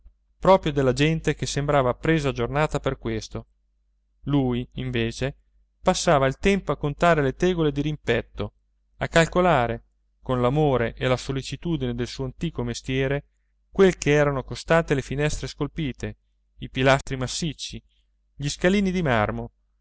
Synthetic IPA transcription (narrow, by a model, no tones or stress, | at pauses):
pɾɔːpɾjod̪elːad͡ʒɛnt̪ek̟esːembɾaːvapɾeːzad͡ʒornaːt̪aperkwest̪o | luːjiɱveːt͡ʃe | pasːaːvailt̪ɛmpoakːont̪aːɾelet̪ɛːɡoled̪iɾimpɛt̪ːo | akːalkolaːɾe | konlamoːɾeʔelasolːit͡ʃit̪uːd̪ined̪elsuːoant̪iːkomest̪jɛːɾe | kwelkeɛːɾanokost̪ant̪elefinɛst̪ɾeskolpiːt̪e | ipilast̪ɾimasːit͡ʃːi | ʎiskaliːnid̪imarmo